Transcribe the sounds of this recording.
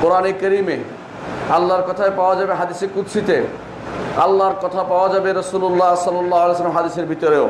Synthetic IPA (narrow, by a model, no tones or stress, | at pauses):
koɾanekəɾime | alːaɾkɔt̪ʰaepawad͡ʒabeɦad̪isekut̪sʰit̪e | a̰lːaɾkɔt̪ʰapaoad͡ʒabeɾɔsulolːaɦsɔlːɔlːaɦalejs̬lamɦad̪iseɾbʱit̪ɔɾeo